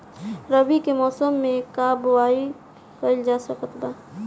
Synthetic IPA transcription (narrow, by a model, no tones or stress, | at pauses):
ɾəbikemɔːsəmːẽkaːbwaːi | kəld͡ʒaːsəkət̪b̪aː